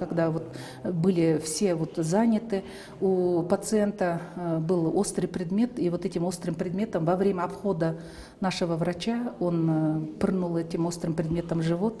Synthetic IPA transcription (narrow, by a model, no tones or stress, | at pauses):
kɐɡd̪avo̞t̪ | bɨlʲɪfsʲe̞vo̞t̪zanʲɪt̪ɨ | upət̪sɨe̞nt̪əbɨlˠo̞st̪rɨjpɾʲɪd̪mʲe̞t̪ivo̞t̪ɛtʲɪmo̞st̪rɨmpɾʲɪd̪mʲe̞t̪əmvɐvɾʲemʲəɐpxo̞d̪ə | naʂɨvəvrɐt͡ɕao̞npɨrnulˠɛtʲɪmo̞st̪ɾɨmpɾʲɪd̪mʲe̞t̪əmʐɨvo̞t̪